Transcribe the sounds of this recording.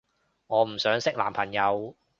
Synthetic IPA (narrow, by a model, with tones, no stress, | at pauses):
ŋɔː˨˧m̩˨˩sœː˨˥ŋsɪ˥k̚la̰ː˨mpʰɐ˨˩njɐ˨˧w